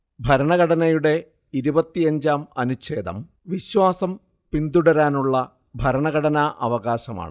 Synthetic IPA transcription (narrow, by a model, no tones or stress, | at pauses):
bʱɐɾɐɳɐɣɐɽɐnɐjuɽe̞ | iɾubɐt̪ːiɐɲd͡ʑaːmɐnuɕe̞ːd̪ʱɐ̰m | ʋiɕwaːsɐm | pind̪uɽɐɾaːnuɭːɐ | bʱɐɾɐɳɐɣɐɽɐnaʔɐʋɐɣaːɕɐma̰ːɳɨ